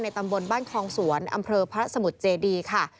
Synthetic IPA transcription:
na˧jt̪a˧mbo˧nbaː˥˩nkʰɔː˧ŋsu˨˩˦ənʔa̰˧mpʰɤː˧pʰa˧ɾa˦˥sa˧mu˨˩t̪̚t͡ɕeː˧diː˧kʰa˥˩

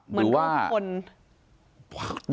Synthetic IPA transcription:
ɾmɯ˦ɯː˦waː˥˩o˧n

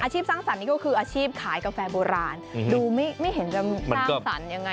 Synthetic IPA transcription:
ʔaː˧t͡ɕʰiː˥˩p̚saː˥˩ŋsa˨˦nːiː˥˩kɔ˥˩kʰɯː˧ʔaː˧t͡ɕʰiː˥˩p̚kʰaː˩˦jka˧fɛː˧boː˧ɾaː˧nduː˧ma˥˩jma˥˩jɦe˩˦nt͡ɕa˨˧˩mi˧˩ma˧sanː˥˩ɔː˥˩sa̰˩˦nja˧ŋːa˧

